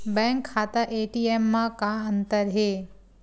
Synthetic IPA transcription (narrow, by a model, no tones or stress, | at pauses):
bɛ̃ŋkʰːat̪aʔeʈiemːãkaənt̪əɾɦe